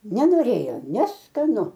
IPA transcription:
nʲɛnoːˈrʲeːjoː nʲɛskɐˈnʊ

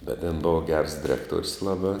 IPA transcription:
bʲɛt tʲeːn ˈboːʋɐ ɡʲɛrs dʲɪˈrʲæːktuɔrʲs ˈlˠɑːbɑː

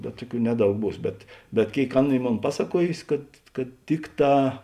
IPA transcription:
bʲɛt ˈtʊˌkʲuː ˈnʲæːˌdɐʊk ˈbuːs bʲɛt bʲɛt ˈkʲeːɪk ˈɑːˌnɐ ˈiː ˈmoːn ˈpɑːsɐˌkuɔjʊsʲɪ kɐt kɐt ˈtʲɪkˌtɑː

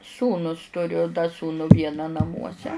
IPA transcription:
ˈsuːnuːs tʊˈrʲʊ dɐ ˈsuːnʊ ˈʋʲiɛnɑː nɐˈmuɔsʲɛ

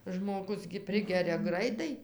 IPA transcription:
ʒmoːˈɡʊs ɡʲɪ ˈpʲrʲɪɡʲɛrʲɛ ˈɡrɐɪtɐɪ

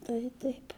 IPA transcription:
tɐɪ ˈtɐɪp

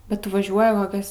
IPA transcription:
bʲɛt ˈtʊ ʋɐˈʒʲuɔjɪ koːˈkʲɛs

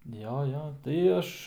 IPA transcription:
ˈjoː ˈjoː tɐɪ ˈɐʃ

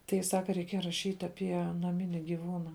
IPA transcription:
ˈtɐɪ ˈsɑːkɐ rʲɛɪˈkʲiɛjɛ rɐˈʃʲiːtʲ ɐˈpʲiɛ nɐˈmʲɪnʲɪ ɡʲɪˈʋuːnɐ

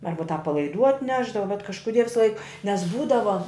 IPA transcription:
ˈɐrbɐ tɑːp pɐlˠɐɪˈduː ɐtʲˈnʲæːʒdɐʋɐ bʲɛt kɐʃkʊˈdʲiɛ ʋʲɪsɐˈlˠɐɪk nʲɛs ˈbuːdɐʋɐ

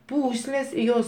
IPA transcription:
ˈpuːsʲlʲeːs ɪ ˈjoːs

